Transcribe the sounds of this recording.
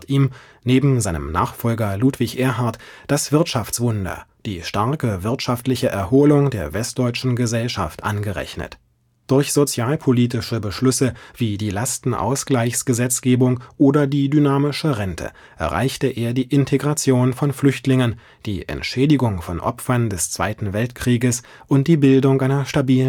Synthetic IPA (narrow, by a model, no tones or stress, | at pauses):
tʔiːm | neːbm̩zaɪnə̰mna̰ːχfɔlɡɐluːtv̥ɪçʔeːɐɦaɐtd̥asv̥ɪɐtʃaft͡sv̥ʊndɐ̰d̥ḭːʃtaɐkəvɪɐtʃaftlɪçəʔɛɐhoːlʊŋdeːɐvɛst̚d̥ɔʏt͡ʃn̩ɡəzɛlʃa̰ftʔa̰nɡəʁɛ̰çnə̰t | d̥ʊɐçz̥ot͡sjaːlpʰoliːt̬ɪʃəbəʃlʏsəv̥iːdiːlastn̩ʔa̰ʊsɡ̥laɪçsɡ̥əzɛt͡sɡ̥eːbʊŋʔoːdɐdiːdynaːmɪʃəʁɛntʰə̰ | ʔɛ̰ɐʁa̰ɪçtəʔeːɐdiːʔɪntʰeɡʁat͡sjoːnfɔnflʏçtlɪŋən | d̥iːʔɛ̰ntʃɛːdɪɡʊŋfɔnʔɔ̰pfɐndɛst͡sv̥a̰ɪtn̩vɛltkʁ̥iːɡəs | ʔʊnt̚d̥iːbɪldʊŋʔaɪnɐʃtabiːlən